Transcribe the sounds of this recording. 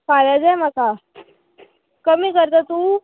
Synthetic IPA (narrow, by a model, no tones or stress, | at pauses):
palad͡zajmaka | kəmiːkəɾt̪at̪u